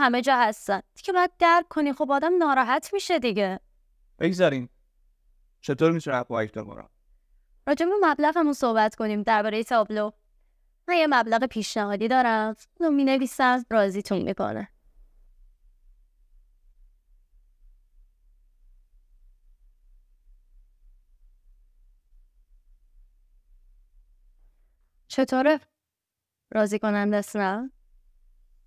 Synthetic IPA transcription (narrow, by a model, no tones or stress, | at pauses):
hæme̞d͡ʒɒːhæst̪ænd̪̥i̥cʰebɒːjæd̪̚d̪æɾkkʰːonixobɒːd̪æmnɒːɾɒːɦæt̪ʰmiːʃe̞d̪iɟe | b̥eɡzæɾim | t͡ʃʰe̞t̪ʰoɾmit̪ʰunæɒjifbḛko̰ɾæ̰ | ɾɒːd͡ʒebeɾumæblæɣæmunso̞hbæt̪ʰkʰo̞niːmd̪æɾbɒːɾe̞jet̪ʰɒːblo | mænjemæblæɣe̞pʰiːʃnæhɒːd̪iːd̪ɒːɾæ | lomiːne̞viːsæmrɒːziːt̪ʰunmʔḭkʰo̰næ̰ | t͡ʃʰe̞t̪ʰoːɾe | ɾɒːziːko̞nænd̪æsnæn